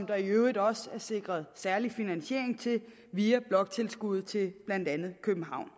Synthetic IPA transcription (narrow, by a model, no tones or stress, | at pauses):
md̥ɐiøʊid̥ˠɒ̽sæɐse̝ɡ̥ʁɐðˠsæɐlifinænɕe̝̰ɐ̰eŋt͡sʰe̝ | ʋiæb̥lɒ̽ɡ̥̚t͡sʰe̝lsɡ̥uð̞̩ˠt͡sʰe̝b̥læn̰d̥ænð̞̩ˠkʰøb̥m̩ɦɑ̈ʊ̰n